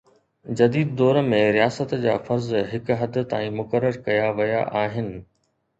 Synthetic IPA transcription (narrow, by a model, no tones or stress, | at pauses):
d͡ʑɐd̪iːd̪ːɔːɾmẽɾijaːsət̪d͡ʑa̰ːfɐɾzɦɪkɦɐd̪̆ʱt̪a̰ːĩmʊkəɾːəɾkɐjaʋɐja̰ʔaːɦɪnɪ̆